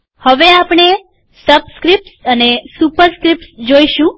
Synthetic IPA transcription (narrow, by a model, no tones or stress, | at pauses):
həʋeapɳ̃e | səbskɾip̚ʈsənesupəɾskɾip̚ʈsd͡ʒoiʃũ